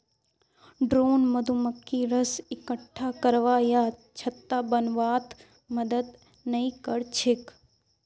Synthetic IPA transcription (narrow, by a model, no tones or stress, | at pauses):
ɖɾoːnməd̪ʱuməkʰːiɾəsɪkəʈʰːakəɾʋaːjaːt͡ʃʰət̪ːabənʋaːt̪ | məd̪əd̪ | nɐĩkəɽt͡ʃʰɪk